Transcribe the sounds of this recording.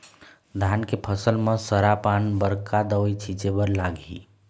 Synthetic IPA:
d̪ʱankepʰəsəlmesəɾapanbəɾkad̪əʋəjt͡ʃʰid͡ʒebəɾlaɡḭ

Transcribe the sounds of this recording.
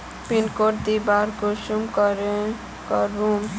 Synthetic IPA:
pinkoɾd̪ibaɾkoʃumkʌɾe | kaɾum

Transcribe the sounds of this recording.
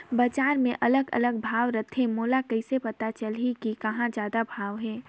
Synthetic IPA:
bɐt͡ʃaːɾmẽʔɐləɡɐ̰ləɡ̚bʱaːʋɾət̪ʰːemoːlakɐɪsepɐt̪at͡ʃəlɦikikɐɦãd͡ʒjaːd̪abʱaːʋɦɛː

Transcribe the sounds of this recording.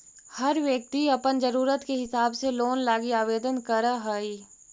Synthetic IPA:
hɐɾʋjɐk̚t̪iɐpənd͡ʒɐɾuːɾət̪keɦɪsaːbseloːnlaːɡiaːʋeːd̪ənkɐɾaɦaːiː

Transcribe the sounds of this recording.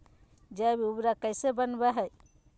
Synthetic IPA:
d͡ʒabiubɾakəjsebənbɛɦɛj

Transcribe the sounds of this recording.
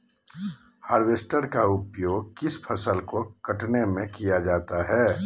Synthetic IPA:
haːɾʋeːsʈəɾkaʊpjoːɡkɪspʰəsəlkokɐʈnemẽkijad͡ʒaːt̪aɦɛː

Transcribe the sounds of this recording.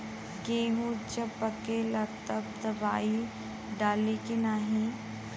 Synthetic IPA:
ɡeːɦũd͡ʒɐbɐkeːlat̪ɐbd̪ɐbaːi | ɖaːlekenaːɦẽ

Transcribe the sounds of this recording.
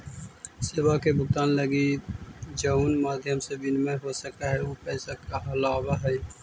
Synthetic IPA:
seːwakebʱʊkt̪aːnləɡi | d͡ʒəuːnmaːd̪ʱjəmsebɪnmẽɦosəkaɦɛopɛːsakaɦɐlaːbaɦɛː

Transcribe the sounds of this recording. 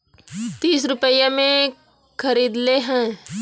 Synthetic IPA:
t̪iːs̬ɾʊpəjamẽ | kʰɐɾiːd̪leɦɛ̃ː

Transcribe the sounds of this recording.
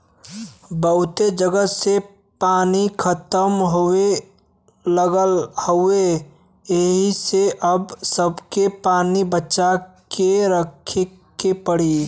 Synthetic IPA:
bəɦʊt̪ed͡ʒəɡəse | paːnikʰət̪əmɦoe | ləɡəlhoe | eɦiseʔəbsəbkepaːnibətːʃakeɾəkʰe | kepəɽi

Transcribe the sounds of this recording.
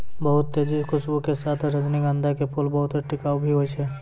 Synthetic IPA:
bɐɦʊt̪ːeːd͡ʒikʊsbukesaːt̪ʰɾɐd͡ʒniɡãːnd̪ʱakepʰʊlbɐɦʊt̪ɛʈɪkaːubʱiɦot͡ʃɛː

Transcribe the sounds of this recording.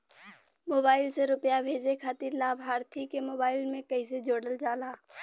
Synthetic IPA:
moːbaːɪlseɾʊpjabʱeːd͡ʒekʰaːt̪iɾlaːbʱɦaːɾt̪ʰikemoːbaːɪlmẽkɐised͡ʒoːɽəld͡ʒaːlaː

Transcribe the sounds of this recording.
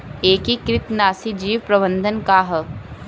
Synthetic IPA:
eːkikɾɪt̪naːsid͡ʒiːʋpɾɐbə̃nd̪ʱənkaɦə

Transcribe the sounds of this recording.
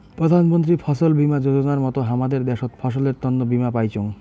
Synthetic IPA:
pɾod̪ʱanmont̪̬ɾifʰɔʃolbimad͡ʑod͡ʑonaɾmɔt̪oɦamad̪eɾd̪ɛʃot̪fʰɔʃoleɾt̪ɔnːobimapajt͡ɕoŋ

